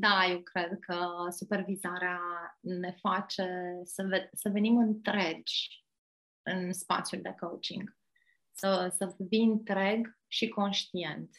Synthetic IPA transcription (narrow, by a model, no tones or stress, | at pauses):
d̪ajewkɾe̞d̪kʰəsupe̞rvizaɾeane̞fat͡ʃe̞səvesəve̞nimɨnt̪ɾe̞d͡ʒʲ | ɨnspa̰t̪sjuld̪e̞kowt͡ʃḭŋɡ | səsəviɨnt̪ɾeɡ | ʃiko̞nʃt̪ie̞nt̪